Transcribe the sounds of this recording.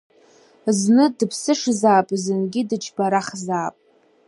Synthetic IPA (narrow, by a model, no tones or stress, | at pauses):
znɨdɨpʰsɨʂzaːpʼzɨnɡʲɪdɨt͡ʃʰbaɾaχzaːpʼ